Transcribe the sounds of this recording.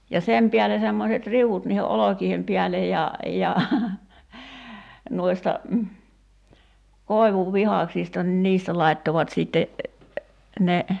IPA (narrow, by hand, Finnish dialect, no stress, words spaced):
jɑ sem piæle semːoset riuut niːhe ʔolokiːhem piælej jɑ jɑ nuistɑ koˑi̞ʋuʋːihɑˑksistɑ nĭn niːstæ lɑi̞tːoʋɑt siˑtːe ne